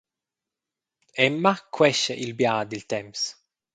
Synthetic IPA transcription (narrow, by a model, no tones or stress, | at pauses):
ɛmːakʰwɛʃɛ̰ʔilbjaːd̪ilt̪ɛms